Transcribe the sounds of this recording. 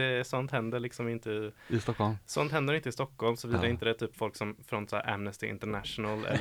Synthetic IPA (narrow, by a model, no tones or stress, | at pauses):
ɛsɔnt̪hɛnd̪əɭɪksɔmɪnt̪əɪɪst̪ɔkːɔlmsɔnt̪hɛnd̪əɾɛɪnt̪əɪst̪ɔkːɔlmsɔviːd̪aɾɪnt̪əd̪ɛt̪ʰːyːpːfɔlksɔmfɾɔnt̪sɔæ̰ʔæ̰mnəst̪ɪʔɪ̰nt̪əɳæʂʊnalɛ̰lː